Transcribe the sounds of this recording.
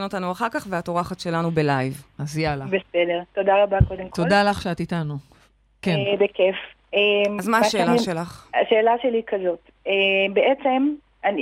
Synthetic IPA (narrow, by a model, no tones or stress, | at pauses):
no̞tanuaχaʁkaχveato̞ʁaχatʃe̞lanubelajvazjalabesedeʁt̪o̞daʁabakod̪emkt̪oldalaχʃeatitanu | kenbekef | emazmaaʃeːlaʃelaχaʃeːlaʃelikɐzo̞t | ebeʔet͡sem | ani